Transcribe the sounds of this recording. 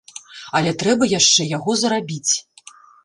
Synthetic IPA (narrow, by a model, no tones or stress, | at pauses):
ɐlʲɛt̪ɾɛbɐjaʂt͡ʂɛjaɣɔzɐɾabʲit͡sʲ